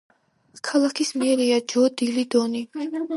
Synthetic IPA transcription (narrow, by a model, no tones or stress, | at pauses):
kʰalˠakʰismiɛɾiad͡ʒɔd̪ilid̪ɔni